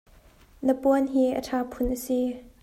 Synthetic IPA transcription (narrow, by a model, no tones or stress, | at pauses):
nəpuənɦiːʔə̰ʈʰaːpʰʊnʔəsi